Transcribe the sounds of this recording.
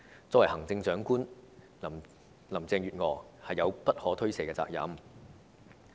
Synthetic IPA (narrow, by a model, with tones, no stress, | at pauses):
t͡sɔ˨˥wɐ˨˩jhɐ˨˩ŋt͡sɪ˧ŋt͡sœː˨˥ŋkuː˥n˨˩ | lɐ˨˩mt͡sɛː˧ŋjyː˨t̚ŋɔː˨˩hɐ˨jːɐ˨˧wpɐ˥t̚hɔː˨˥t̪ʰɵ˥ɥse˨˩kɛː˧t͡sa̰ː˧k̚jɐ̰˨˥m